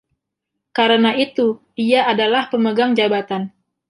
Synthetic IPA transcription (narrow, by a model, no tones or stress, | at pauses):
kaɾənait̪u | iaːdalahpəməɡaŋd͡ʒabat̪an